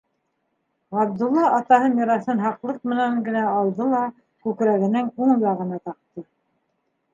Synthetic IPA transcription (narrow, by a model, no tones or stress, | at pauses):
ʁɑb̚d̪ulˠːɑʔɑt̪ɑɦɤnɑɾɑθɤnɦɑqlˠɤq̚mɘ̆næŋɡɘ̆næɑlˠd̪ɤlˠɑ | kʉkɾæɣɘ̆nɘŋuɴjɑʁɤ̆nɑt̪ɑq̚t̪ɤ